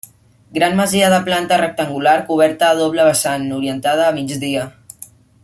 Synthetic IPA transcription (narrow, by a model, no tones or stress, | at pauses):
ɡɾanməziəðəplant̪ərək̚t̪əŋɡulaɾkuβ̞ɛɾt̪əːð̞oβləβəsanuɾiənt̪að̞əːmid͡ʒðiə